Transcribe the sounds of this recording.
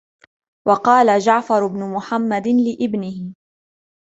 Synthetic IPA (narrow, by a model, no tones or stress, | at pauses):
wʔɑqɑːlad͡ʒaʕfɑɾˤʊbnʊmʊħamːad̪ɪnlɪʔɪbnɪhɪ